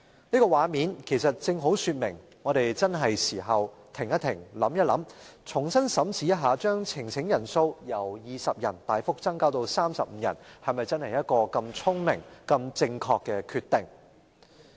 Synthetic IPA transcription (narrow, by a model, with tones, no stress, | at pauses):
niː˥kɔː˧waː˨˧miː˨˧nkʰe˨˩jsɐ˨t̚t͡sɪ˧ŋɦo˨˥wsyː˧t̚mɪ˨˩ŋ | ŋɔː˨˧ɾe˨jt͡sɐ˥nɦɐ˨jsiː˨˩ɦɐ˨w | t̪ʰɪ˨˩ŋjɐ˥t̪ʰɪ˨˩ŋlɐ˨˥mjɐ˥lɐ˨˥mt͡sʰʊ˨˩ŋsɐ˥nsɐ˨˥mt͡sʰiː˨˥jɐ˥t̚ɦaː˨˧t͡ʃœː˥ŋt͡sʰɪ˨˩ŋt͡sʰɪ˨˥ŋjɐ˨˩nso˧wjɐ˨˩wjiː˨˧sɐ˨p̚jɐ̰˨˩nt̪aː˨jfʊ˥k̚t͡sɐ˥ŋkaː˥wt̪o˧wsaː˥msɐ˨p̚m̩˨˧jɐ̰˨˩nhɐ˨jmɐ˨jt͡sɐ˥nhɐ˨˩jɐ˥t̚kɔː˧kɐ˧mt͡sʰʊ˥ŋmɪ̰˨˩ŋkɐ˧mt͡sɪ˧ŋkʰɔː˧kːɛ˧kʰyː˧t̪ːɪ˨˩ŋ